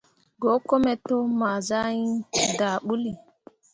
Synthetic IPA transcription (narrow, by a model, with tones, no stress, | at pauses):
ɡo˨˦kɔ˦mɛ˨to˦maː˨za˦ji˦ndaː˨ɓu˦li˨